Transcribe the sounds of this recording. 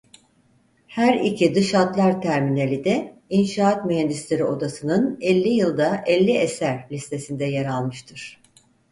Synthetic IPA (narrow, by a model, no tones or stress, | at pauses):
hæɾicʰid̪ɯʃat̪lˠaɾt̪ʰæɾminelʲid̪ɛinʃaːt̪myɦænd̪islʲeɾio̞d̪asɯnɯnɛlʲːijɯlˠd̪aʔɛlʲːiesæɾlʲist̪ʰe̞sind̪ɛjaɾalˠmɯʃt̪ʰɯɾ̥